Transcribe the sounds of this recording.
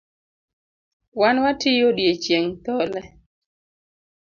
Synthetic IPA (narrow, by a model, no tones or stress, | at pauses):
wanwatɪjodjet͡ʃjeŋt̪ɔlɛ